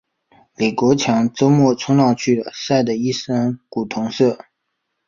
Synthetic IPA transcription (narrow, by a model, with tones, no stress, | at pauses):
li˨˩kwɔ˧˥t͡ɕʰjɑ˧˥ŋt͡so˥ʊmwɔ˥˩t͡sʰʊ˥ŋlɑ˥˧ʊŋt͡ɕʰy˥˩lə̰˩sa˥˩ɪd̪ə˩i˥˩ʂə˥ŋku˨˩t̪ʰʊ˧˥ŋsɤ˥˩